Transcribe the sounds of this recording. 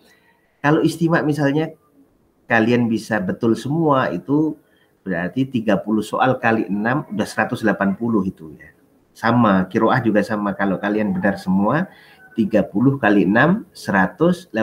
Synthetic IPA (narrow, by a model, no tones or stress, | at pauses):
kaloʔist̪imaʔmisalɲa | kalianbisabət̪ʊlsəmuaḭt̪u | bəɾa̰rt̪it̪iɡapulʊhsoʔalkaliʔənamudahsəɾat̪ʊslapanpulʊɦit̪uja̰ | samakiɾoahd͡ʒuɡasamakalokalianbənarsəmua | t̪iɡapulʊhkaliənamsəɾat̪ʊsla